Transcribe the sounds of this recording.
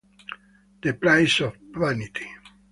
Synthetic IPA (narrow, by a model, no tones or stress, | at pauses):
d̪̥eplãjsɔfvanit̪ʰi̥